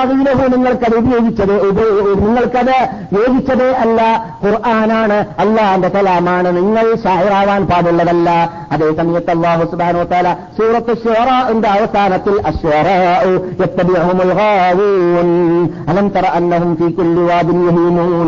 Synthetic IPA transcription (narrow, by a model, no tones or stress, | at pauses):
ɐɣiːlɐɦumniŋːɐɭkɐðɨubɐjo̞ːɡit͡ɕːɐðeubɐniŋːɐɭkɐðɨ | jo̞ːɡit͡ɕːɐðeːʔɐlːɐqʊrʔaːnaːɳɨɐlːaːendekɐlaːmaːɳɨniŋːɐɭɕaːiɾaːʋaːnpaːbuɭːɐðɐlːɐ | ɐðe̞ːsɐmɐjɐt̪ːeɐlːɑːɦusubhaːnɐuwʋɐt̪ɐaːlaːsuːɾɐt̪ːɐʃːuɐɾaːʔendɐʋɐsaːnɐt̪ːilʔɐʃɐɾɑːʔjɐt̪ːɐbiʕɦumɐlɣaːwuːnʔɐlɐmt̪ɐɾˤɑʔɐnːɐɦumfiːkulːiwaːd̪ɪnjʊɦiːmuːn